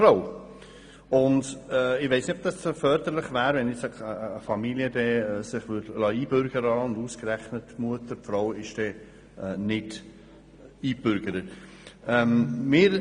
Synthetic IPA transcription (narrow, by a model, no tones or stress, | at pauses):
ɾow | ʊndɛɪʋeɪsnɪtɔb̚d̥ɑsfœːɾdəɾlɪχvæːɾvɛnjɪsɛkəːfɑmiliədɛsɪχʋʏɾdlɑːiːbʏɾɡ̥əɾɑʊnduːskɾɛχnətmuətəɾpfɾoʊɪʃd̥ɛː | ɛnɪd | iːbʏɾɡ̥əɾə | ɛmmɪːɾ